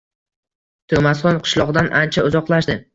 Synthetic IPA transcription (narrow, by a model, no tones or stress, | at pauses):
t̪ʰomasχɒnqʰɨ̥ʃlˠɒʁd̪anʔant͡ʃʰaʊzɒqlˠaʃd̪ɪ